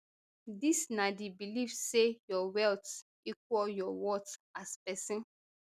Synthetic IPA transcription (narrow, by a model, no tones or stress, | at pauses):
disnadibilivsejɔwɛlt | ik̚wɔljɔwɔtaspɛsĩn